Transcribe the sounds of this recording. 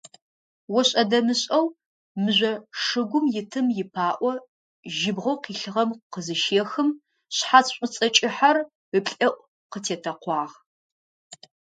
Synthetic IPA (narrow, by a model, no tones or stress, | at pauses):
wɔɕʼɐdɐmɨɕʼɐw | mɨʑʷɔʂɨɡʷʊmjɪtʰɨmjɪpʰaːʔʷɔ | ʒɪbʁɐwqiːɬɨʁɐmqəzɨʃeːxɨm | ɕħat͡sɕʷʼʊt͡sʼɐt͡ʃʼɪħar | əpɬʼɐʔʷ | qətʰeːtʰɐqʷɑːʁ